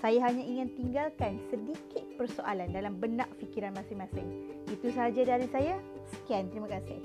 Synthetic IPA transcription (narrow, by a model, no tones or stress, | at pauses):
sajaɦaɲãiŋɪ̃nt̪iŋɡalkansədikɪt̪̚pərsoʔalandalambənaʔfikiɾanmãsɪŋmãsɪŋit̪usəɦad͡ʒadaɾisaja | sə̥kiant̪ɾimãkasɪh